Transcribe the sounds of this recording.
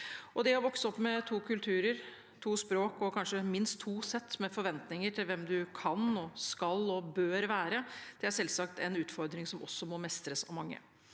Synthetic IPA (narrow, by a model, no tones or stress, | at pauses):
ʔɔd̪ɛɔʋɔksəɔpːmɛt̪ʰuːkʰʉlt̪ʰʉːɾəɾ | t̪ʰuːspɾoːkɔkʰɑnʂəmɪnst̪ʰːuːsɛt̪ːmɛfɔɾʋɛnt̪nɪŋəʈʰɪlʋɛmd̪ʉkʰɑnɔskɑlɔbøːɾʋæːɾəd̪̥ɛæɾʂɛlsɑkt̪ɛnʉːt̪fɔɾd̪ɾɪŋsɔmʔɔsːɔmɔmɛst̪ɾəsɑ̰ʋmɑŋːə̰